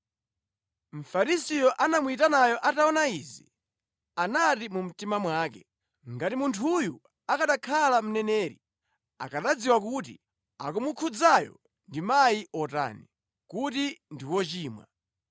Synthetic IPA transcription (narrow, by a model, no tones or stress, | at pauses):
m̩faɾisijɔʔanamuitanajɔʔataɔnaizi | anatimum̩timamwaːkɛ̰ | ŋɡatimuntʰuju | akaɗakʰalam̩nɛnɛːɾḭ | a̰kaɗad͡ziwakutḭ | a̰kumukʰud͡zajɔ̰ | ndimajiʔɔta̰ːni | kutindiwɔt͡ʃiːmwa̰